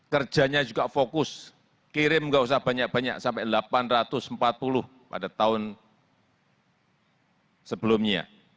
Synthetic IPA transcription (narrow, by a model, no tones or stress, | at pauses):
kər̥d͡ʒ̥a̤ɲad͡ʒuɡafokʊs | kiɾɪmŋɡaus̬ahb̥a̤ɲak̚b̥a̤ɲa̰ksampadlapanrat̪ʊsəmpat̪̚pulʊh | pa̰dat̪aʊn | səb̥əlʊmɲa̰